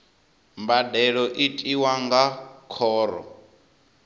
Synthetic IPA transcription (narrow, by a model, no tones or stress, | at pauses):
mbadɛɺɔʔitʼiwaŋɡakʰɔːɾɔ̰